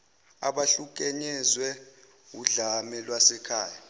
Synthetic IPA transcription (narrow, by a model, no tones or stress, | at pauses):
a̰ɓaɬuk̬ɛɲɛzwɛ | uɮamɛlwasɛkʰaːja